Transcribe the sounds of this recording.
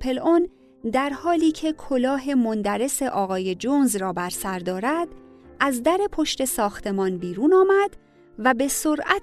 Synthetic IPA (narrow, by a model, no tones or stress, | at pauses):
pʰe̞lon | d̪æɾhɒːliːcʰe̞kʰolɒːɦe̞mond̪æɾe̞se̞ʔɒːɣɒːje̞d͡ʒonzrɒːbæɾsæɾd̪ɒːɾæd̪̥ | ʔæzd̪æɾe̞pʰo̞ʃt̪e̞sɒːxt̪ʰe̞mɒːnbiːɾuːnɒːmæd̪̥ | væbe̞soɾʔæ